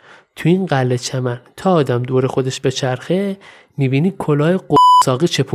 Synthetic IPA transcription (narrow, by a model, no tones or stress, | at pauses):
t̪ʰuinɢælːet͡ʃʰemænt̪ʰɒːd̪æmd̪oːɾexo̞d̪eʃbe̞t͡ʃʰæɾxe | mibiːniːkʰolɒːjeɡosɒːɣiːt͡ʃʰepʰu